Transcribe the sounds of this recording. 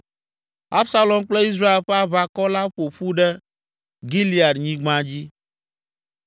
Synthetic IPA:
a˦bsa˦lɔ˨mk͡plɛ˦i˦s̬ɾa˦e˨lɸɛ˦a˦βa˦kɔ˦la˦ɸo˨ɸu˦ɖɛ˦ | ɡi˦li˦a˨ɖɲĩ˦ɡ͡bã˦d͡ʑi˦

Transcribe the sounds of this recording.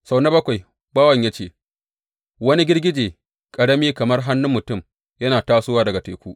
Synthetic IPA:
sa˨wna˦bɐ˦kʷa˨j | baː˦wɐ˨ɲjaː˦t͡ʃeː˦˨ | wɐ˦ni˦ɡʲɪ˦rɡʲɪ˦d͡ʒeː˨ | kʼɐ˨ɽɐ˦miː˦kɐ˨mɐ˦rɦa˦nːʊ˦mːʊ˨tʊ˦˨m | jɐ˦naː˨taː˦sʊ˦waː˦dɐ˨ɡa˨te˨kʷuː˦ʔ

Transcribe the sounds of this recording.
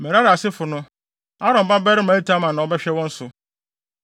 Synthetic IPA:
mɛ˨ɾa˦ɾɪ˨a˨sɪ˦fʊ˨nʊ̃˦ | a˦ɾɔ̃˨m˨ba˦bɛ˦ɾɪ˦mã˨˦e˦tʰa˦mã˨nã˨ɔ˦bɛ˦ɕᶣɛ˦wɔ̃˦n̩˦sʊ˨

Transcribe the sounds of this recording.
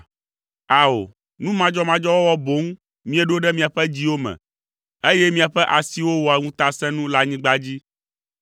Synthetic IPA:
a˨o̰˨ | nũ˦mã˦d͡ʒɔ˦mã˦d͡ʒɔ˦wɔ˦wɔ˦bo˨˦ŋ˦ | mĩ˦e˦ɖo˦ɖɛ˦mĩ˨a˨ɸɛ˦d͡ʑi˦wo˦mɛ̰̃˨ | e˦jɛ˦mĩ˦a˨ɸɛ˦ʔa˨si˦wo˦wɔ˨a˨ŋũ˦t̪a˦sɛ̃˦nũ˦la˦ɲĩ˦ɡ͡ba˦d͡ʑi˦

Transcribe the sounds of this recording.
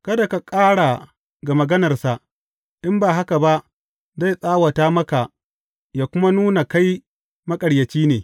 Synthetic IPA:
kɐ˦da˨ka˨kʼaː˦ɽa˨ | ɡa˨mɐ˨ɡɐ˦nɐ˨rsa˨ʔ | ɗɪ˦mbaː˨ɦa˦ka˨ba˦ʔ | za˦˨jsʼaː˦wa˨taː˦mɐ˦ka˨ʔ | jaː˨kʷʊ˦ma˦nuː˦na˨ka˦j | mɐ˦kʼɐ˨ɽjɐ˨t͡ʃiː˦neː˨

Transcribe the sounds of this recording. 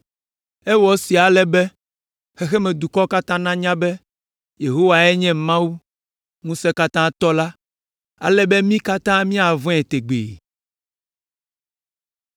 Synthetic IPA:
ɛ˦wɔ˨si˨a˨lɛ˦bɛ˦ | xɛ˦xɛ˦mɛ̃˨d̪u˨kɔ˦ka˦t̪ã˦nã˦ɲã˦bɛ˦ | je˨ɦo˦wa˨ɛ˦ɲɛ̃˦mã˦wu˦ | ŋũ˦sɛ˦ka˦t̪ã˦t̪ɔ˦la˦ | a̰˨lɛ˦bɛ˦mĩ˦ka˦t̪ã˦mĩ˦a˨vɔ̃˦ɛ˨t̪e˨ɡ͡bḛ˨

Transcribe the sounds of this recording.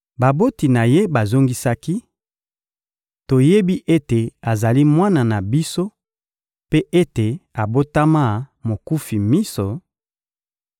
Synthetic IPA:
ba˨bo˦ti˨na˨je˦ba˨zo˦ŋɡi˦sa˦ki˦ | to˨je˦bi˦ʔe˦te˨a˨za˨li˦mwa˦na˨na˨bi˦so˦ | pe˦ʔe˦te˨a˨bo˦ta˦ma˦mo˨ku˦fi˨mi˦so˨

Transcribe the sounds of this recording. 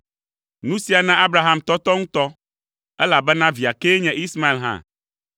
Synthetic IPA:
nũ˦si˨a˨nã˦ʔa˦bɾa˨ɦa˦˨mt̪ɔ˦t̪ɔ˦ŋũ˦t̪ɔ˦ | ɛ˦la˨bɛ˦nã˦vi˨a˨ke˦ɲɛ̃˨ʔi˦sma˦e˨lɦã̰˦˨

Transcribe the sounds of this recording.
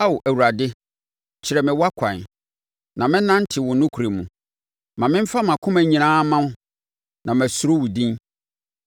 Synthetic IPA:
a˦wo˨ʔæ˨wu˨ɾa˨dɪ˦ | t͡ɕʰɪ˨ɾɛ˨mɪ̃˨wa˦kʷʰã˨n˨ | nã˨mɪ̃˦nã˦n˦tʰɪ˨wʊ̃˨˦nʊ̃˦kʰu˨ɾe˨mṵ̃˨ | mã˨mɪ̃˦m̩˦fa˦mã˨kʰʊ̃˦mæ̃˨ɲĩ˨nãː˦mã˦ | nʔã˨mæ˨sʊ˨ɾo˦wʊ˨dĩ˦n

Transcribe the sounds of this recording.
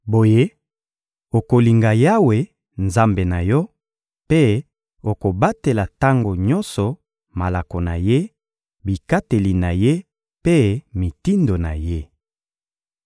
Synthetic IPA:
bo˨je˦ | o˨ko˨li˨ŋɡa˨ja˦we˨ | nza˦mbe˨na˨jɔ˦ | pe˦ | o˨ko˨ba˦te˨la˨ta˦ŋɡo˨ɲɔ˦nsɔ˨ | ma˨la˨ko˨na̰˨je˦ | bi˨ka˦te˨li˨na˨je˦ | pe˦mi˨ti˦ndo˨na˨je˦

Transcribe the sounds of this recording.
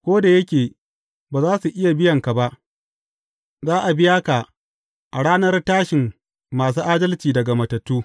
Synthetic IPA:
kʷoː˦da˨jɐ˦kʲeː˨ | baː˨zaː˦su˨ʔɪ˦ja˨bɪ˦jɐ˨ŋka˨ba˦ʔ | zaː˦ʔa˨bɪ˦jaː˦ka˨ | ʔa˨ɽaː˦nɐ˦rtaː˦ʃɪ˨mː | aː˨s̬uː˦ʔaː˦dɐ˦lt͡ʃiː˨dɐ˨ɡa˨mɐ˨tɐ˨tːuː˦

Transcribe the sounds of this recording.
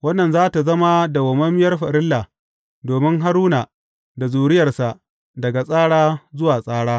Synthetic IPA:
wɐ˦nːɐ˨nzaː˦ta˨zɐ˦ma˦da˨wɐ˨mɐ˦mɪ˦jɐ˦rɸɐ˨ɾɪ˦lːaː˨ | doː˨mɪ˦ŋɦa˦ɾuː˦naː˨ | da˨zuː˨ɽɪ˦jɐ˨rsa˨ʔ | dɐ˨ɡa˨sʼaː˦ɽaː˦zʊ˦waː˨sʼaː˦ɽaː˦

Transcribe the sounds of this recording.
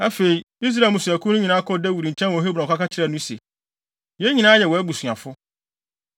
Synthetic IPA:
æ˦fe˨i˨ | i˦s̬ɾa˨mʊ̃˨sʊ˨æ˨kʰũ˦nʊ̃˦ɲĩ˨nã˦kʰɔ˦dɛ˦wu˨ɾi˨ɲ̩˨t͡ɕʰɛ̃˦n˦ɔ̃˨˦ɦe˦bɔ̃˨kʰa˦ka˦t͡ɕʰɪ˦ɾɛ˦˨nʊ̃˦sḛ˨ | jɛ˦ɲĩ˨nãː˦jɛ˨wɔ˨æ˦bu˨sʊ˨ã˨fʊ˦

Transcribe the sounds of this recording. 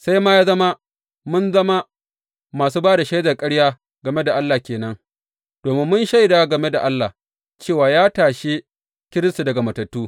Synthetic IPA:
sa˦jmaː˦jaː˦zɐ˦ma˦ | mʊ˦nzɐ˦ma˦ | maː˨suː˦baː˦da˨ʃa˦jzɐ˨kʼɐ˦ɽjaː˦ | ɡɐ˨me˦da˨ʔa˦lːaː˨kʲeː˨nɐ˦ŋ | d̥oː˨mɪ˦mːʊ˦nʃa˦˨jdaː˦ɡɐ˨me˦da˨ʔa˦lːa˨ | t͡ʃeː˦˨waː˨jaː˦taː˨ʃe˦ | kʲɪ˦ɾɪ˦stu˨dɐ˨ɡa˨mɐ˨tɐ˨tːuː˦

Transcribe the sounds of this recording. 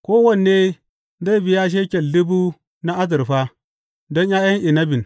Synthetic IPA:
ko˦wa˦nːe˦ | nda˦i˦bi˨ja˦ʃ̬e˦kʲe˨lːi˦bu˦ | na˦a˦d̬i˨ɾɸa˦ | do˦nja˦ja˦n˦i˨na˦bi˨n

